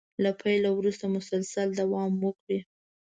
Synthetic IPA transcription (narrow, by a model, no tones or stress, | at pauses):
lapʰajlawɾust̪amʊsalsald̪awɑmwəkɽi